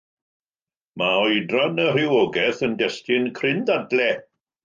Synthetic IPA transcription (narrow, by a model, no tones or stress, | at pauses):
maɔjdranərɪwɔɡɛθəndɛstɪnkʰrɪndadlɛ